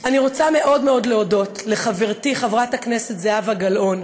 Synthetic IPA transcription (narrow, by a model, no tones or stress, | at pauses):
aniʁo̞t͡same̞ʔo̞dme̞o̞dleodo̞tle̞χaveʁtiχavʁathakne̞setzeavaɡalʔo̞n